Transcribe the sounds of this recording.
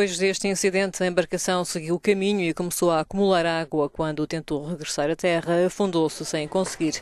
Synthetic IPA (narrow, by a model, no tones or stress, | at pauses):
ojʒðeʃt̪ĩsiðẽnt̪ɐẽmbɐɾkɐsɐ̃w̃sɨɣiwukɐmiɲuikumsoɐːkumulˠaɾaɣwɐkwɐ̃nd̪ut̪ẽnt̪oʁɨɣɾɨsaɾɐt̪ɛʁɐfũnd̪osɨsɐ̃j̃kõsɣiɾ